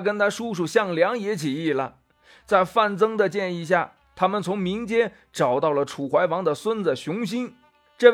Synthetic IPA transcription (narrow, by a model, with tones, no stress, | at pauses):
kə˥nt̪ʰa˥ʂu˥ʂu˥˩ɕjɑ˥˩ŋljɑ˧˥ŋjɛ˧˥t͡ɕʰi˨˩i˥˩lə̰˩ | t͡sa˥˧ɪfa˥˩nt͡sɤ˥ŋd̪ə˨t͡ɕjɛ˥˧ni˥˧ɕ̬ja˥˩ | t̪ʰa˥mə˨nt͡sʰʊ˧˥ŋmi˧˥ŋt͡ɕjɛ˥ | ʈ͡ʂɑ˨˩ʊt̪ɑ˥˩ʊlə˩ʈ͡ʂʰu˨˩xwa˧˥ɪwɑ˧˥ŋd̪ə˨swə˥nd͡zə˩ɕʊ˧˥ŋɕi˥n | ʈ͡ʂɤ˥˧